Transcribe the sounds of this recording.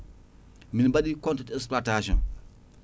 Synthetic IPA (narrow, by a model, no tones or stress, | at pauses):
minbaɗikɔ̃ntɛtɛksplataʃɔ̰̃n